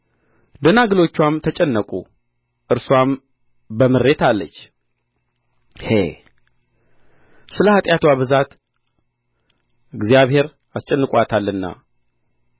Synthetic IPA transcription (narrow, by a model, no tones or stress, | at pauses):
d̪ənaɡɨlo̞t͡ʃːwamt̪ʰət͡ʃʼɛnːəkʼṵ | ʔɨɾswam | bəmɨɾːe̞t̪alːət͡ʃː | hḛ | sɨləhat̪ʼjat̪waβɨzat̪ | ɨɡzijaβhe̞ɾ | ast͡ʃʼɛnːɨkʼʷat̪ʰalːɨnːa̰